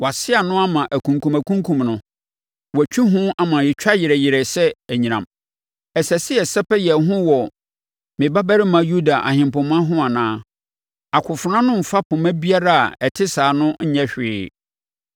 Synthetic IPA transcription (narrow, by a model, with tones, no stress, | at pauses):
wa˨sɪ˦a˨nʊ̃˦a˦mã˨ʔæ˨kʰũ˨ŋkʰũ˨mæ˨kʰũ˦ŋkʰũ˨mnʊ̃˨ | wɔ˨æ˨t͡ɕᶣi˦ɦʊ̃˦a˨mã˨jɪ˨t͡ɕᶣa˦jɪ˨ɾɛ˨jɪ˨ɾɛ˨sɛ˦æ˨ɲĩ˨nã˨m | ɛ˨sɛ˨sɪ˦ɛ˨sɛ˦pɛ˦jɛ˨ɦʊ̃˦wɔ˨ | mɪ̃˨ba˦bæ˦ɾɪ˦mã˨ju˦da˨ʔa̰˨hɪ̃˨mpʊ̃˨mã˦ɦʊ̃˦a˨nãː˦ | a˨kʰʊ˨fʊ˨ɾã˦nʊ̃˦m̩˨fa˦pʰʊ̃˨mæ̃˦bi˦a˦ɾa˦a̰˨ɛ˨tʰɪ˦saː˨nʊ̃˦ɲ̩˦ɲɛ̃˦ɕᶣɪː˨˦˨